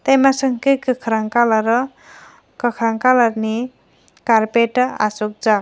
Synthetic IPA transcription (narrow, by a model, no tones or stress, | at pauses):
t̪ajmasɯŋkɯkɯkʰɾaŋkalaɾɯ | kɯkʰɾaŋkalaɾni | kaɾpeta̰suk̚d͡ʒa